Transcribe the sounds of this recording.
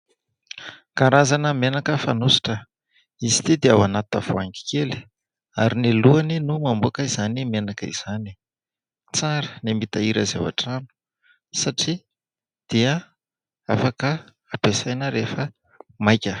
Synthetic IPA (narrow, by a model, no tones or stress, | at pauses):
kaɾazanəmenakəfanusi̥ʈ͡ʂə | izi̥t̪id̪eawanat̪av̥oaŋki̥keli̥ | aɾiniluaninumambuakəizanimenakəḭz̥ani̥ | t͡saɾənimit̪aiɾəza̰wa̰ʈ͡ʂani̥ | saʈ͡ʂi | d̪̥iə | afakə | apesajnəɾefə | majkʲə